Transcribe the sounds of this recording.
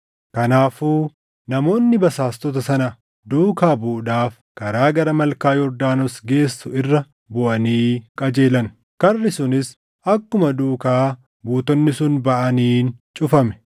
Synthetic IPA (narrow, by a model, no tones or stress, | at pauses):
kɐnaːfuː | nɐmo̞ːnːɪbɐsaːst̪ɔt̪ɐsɐnɐ | d̪uːkaːbuːᶑaːf | kɐɾaːɡɐɾɐmɐlkaːjɔɾd̪aːnɔsɡe̞ːsːʊɪrːɐ | bʊʔɐniːkʼɐd͡ʒe̞ːlɐn | kɐrːɪsʊnɪs | ʔɐkːʊmɐd̪uːkaː | buːt̪ɔnːɪsʊnbɐʔɐniːnt͡ʃʼʊfɐmɛ̥